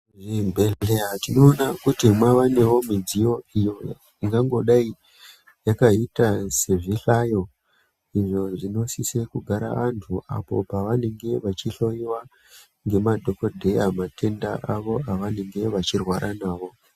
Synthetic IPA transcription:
ʐembeleatino̞ːnakutimwaʋane̞wo̞mid͡zijo̞ijo̞j | iŋɡaŋɡo̞ɗai | jakaitase̞ʐiɬajo̞ | iʐo̞ʐino̞sisekuɡʱaɾa̰antʰuʔa̰po̞̰paʋane̞ŋɡe̞ʋat͡ʃiɬo̞jiwa | ŋɡe̞madʱo̞kodʱejamatʰe̞ndaʔaʋo̞aʋane̞ŋɡe̞ʋat͡ʃirwaɾʔanaːʋo̞

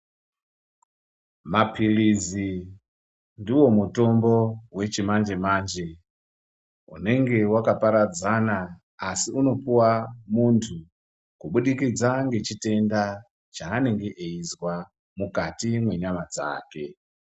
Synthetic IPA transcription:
mapʰilizi | ndiwo̞muto̞mbo̞we̞t͡ʃimand͡ʒe̞maːnd͡ʒe̞ | ṵne̞ŋɡe̞wakapaɾad͡zanaː | siuno̞puwamuntʰu | kuɓuɗikid͡zaŋɡe̞t͡ʃite̞nda | t͡ʃaːne̞ŋɡe̞ʔeizwa | mukatimwe̞ɲamad͡za̰ːke̞

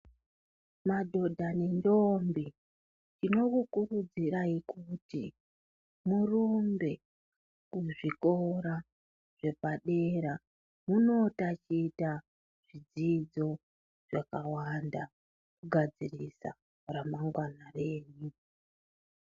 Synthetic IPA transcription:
madʱo̞dʱane̞ndo̞mbi | tino̞kukurud͡ziɾaikutḭ | murumbe̞ | kuʐiko̞ɾa | ʐ̥e̞paɗe̞ɾa | muno̞tat͡ʃiːta | ʐ̥id͡zid͡zo̞ | ʐ̥akawanda | kuɡʱad͡zirisa̰ | ramaŋɡwanare̞ːɲu

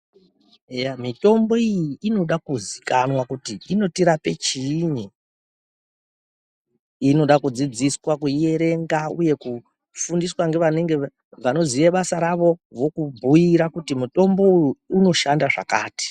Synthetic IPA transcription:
ejamito̞mbo̞ijiːno̞ɗakuzikanwakutiino̞tiɾape̞t͡ʃiɲi | ino̞ɗakud͡zid͡ziswakue̞ɾe̞ŋɡaṵje̞ku | fundiswaŋɡe̞ʋane̞ŋɡe̞ | ʋano̞ziʋeɓasaɾaʋo̞ʋokubʱujiɾakutimuto̞mbo̞uuuno̞ʃandaʐa̰ka̰ːti̥

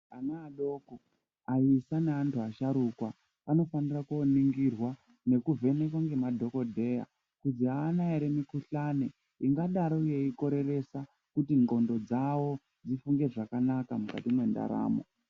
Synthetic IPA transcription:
anaːɗo̞ko | aisaneantʰuaʃaɾukwa | ano̞fanirakoniŋɡirwa | ne̞kuvʱe̞ne̞kwaŋɡe̞madʱo̞ko̞dʱe̞ːja̰ | kud͡ziɦaːnaeɾe̞mikuɬane | iŋɡaɗaɾouje̞iko̞ɾe̞re̞sa | kutiŋɡo̞ndo̞d͡zawo̞ | d͡zifuŋɡe̞ʐakanakamuka̰timwe̞nda̰ɾa̰ːmo̰

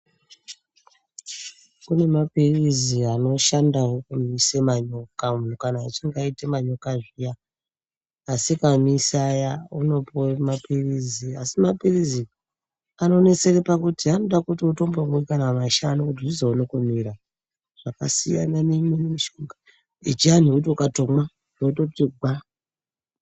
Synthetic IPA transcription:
kune̞mapiriziano̞ʃandaɦukumisemaɲo̞kamun̤ukanaːt͡ʃiŋɡaitemaɲo̞kaʐija | sikamisajauno̞pomapiriziasimapirizi | ano̞ne̞t͡se̞repakutiɦano̞ɗakutiuto̞mbomikanaamaʃanokutiʐizounokumiɾa | ʐ̥aka̰sija̰nanemwenemiʃoŋɡa | it͡ʃian̤iut̬ukatomwa | nototiɡʱwa

